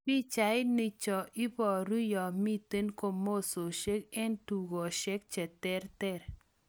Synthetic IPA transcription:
bi˦t͡ʃa˨˦ɪ˦ni˨t͡ʃɔ˨ʔɪ˦bɔ˨ɾu˦jɔ˨mi˦te˦nko˦mo˦˨so˨ʃe˦kɛ˦ntu˨ɡɔ˨ʃɛ˦k̚t͡ʃɛ˨tɛ˦ɾtɛ˦˨ɾ

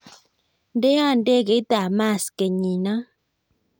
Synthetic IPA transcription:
nde˦a˦˨nde˦˨ke˨˦t̪a˨ma˦˨ske˨ɲi˨na˦

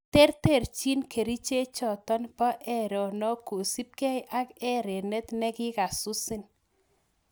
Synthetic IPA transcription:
te˦ɾte˦˨ɾt͡ʃi˦nkʰe˨ɾi˦t͡ʃe˦t͡ʃɔ˨tɔ˦npɔ˦ʔɛ˦ɾɔ˨nɔ˦ko˨si˦p̚kɛ˦jʔa˦kɛ˦ɾe˨nɛ˦t̪nɛ˦kɪ˦ka˨sʊ˦sɪ˦n

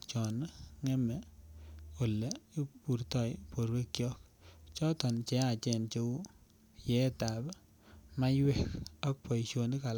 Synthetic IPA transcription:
t͡ʃɔ˨nŋɛ˦mɛ˨ | o˨le˨i˦pu˨ɾt̪ɔ˦˨jpo˨ɾbe˦kjɔ˦k̚t͡ʃɔ˦tɔ˨nt͡ʃɛ˦a˦˨t͡ʃɛ˦˨nt͡ʃo˦w | jɛ˨˦˨ta˨b | ma˦jwɛ˦kɔ˦k̚pɔ˨jt͡ʃo˨ni˦ka˨l

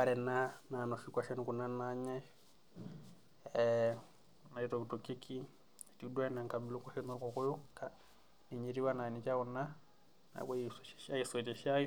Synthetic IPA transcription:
pa˨ɾɛ˨na˦na˨nɔ˨ʃi˦kwa˨ʃɛ˦nuku˨na˦naɲɛ | na˨itɔ˨ki˨tuki˦kʰi˦ | a˨tidwa˦ɛ˦na˨ŋka˨bi˨lu˦kɔ˦ʃɛ˦nɔ˦kɔkʊ˦ju˦ka | ni˨ɲi˨ɾi˦wa˦na˨ni˨t͡ʃa˦u˨na˦ | na̰˨wa˦sɛ̥ʃa˦isɔt͡ʃɛ˨ʃai˦

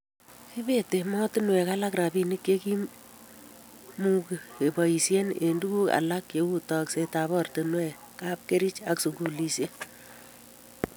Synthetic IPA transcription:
ki˦be˦te˨mɔ˦tɪ˦nwɛ˨ka˦la˦kɾa˨bi˦ni˦kje˦ki˦ | mu˦ke˨e˨bɔ˨i˨sje˦ne˨ndu˦ku˦a̰˨la˦kje˨u˦tɔ˨kse˨ta˨βɔ˦rtɪ˨nwɛ˦ | ka˦p̚ke˦ɾi˦t͡ʃa˦ksu˨ɡu˨li˨sje˦

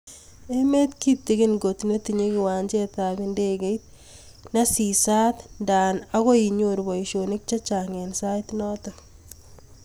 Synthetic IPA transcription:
e˦me˦t̪ki˦t̪ːi˦ɡɪ˦nɡo˨tneti˨ɲe˦kɪ˨wa˨ɲd͡ʒe˦ta˨bɪ˦nde˦ɡe˦t̪̚ | na˦si˨sa˦t̪nda˨na˦ɣɔ˦i˨ɲoɾbɔ˨iʃo˨nɪ˦k̚t͡ʃa˦t͡ʃa˨ŋe˨nsajtnɔ˦tɔ

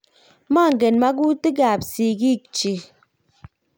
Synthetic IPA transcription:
ma˦˨ŋ̩˨ɡe˨nma˦k̬u˦ti˦ɡa˨psi˨ki˦˨k̚t͡ʃi˨

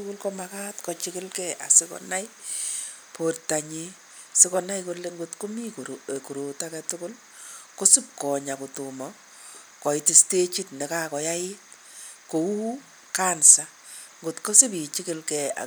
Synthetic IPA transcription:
ʊkʊ˦lkɔ˦ma˦ka˦tkɔ˨t͡ʃi˦kɪ˦lkɛ˦a̰˨sɪ˦kɔ̰˨na˦j | pʰorta˨ɲi˦ | sɪ˦kɔ˧na˦jko˧leŋɡʊ˨tko˦mi˦kku˨ɾo˨ta˦kɛtʊ˦kʊ˦l | ko˦si˦p̚kɔ˨ɲa˨ko˨tu˨mɔ˨ | kɔ˨ɪ˨ti˦ste˦t͡ʃi˦tne˨ka˦kɔ˨ja˦ɪ˦t̚ | ko˨wuː˦ | ka˦nsa˦ | ŋɡʊ˨tko˦sɪ˦p̬i˨t͡ʃi˦kɪ˦lkɛ˨a̰˨

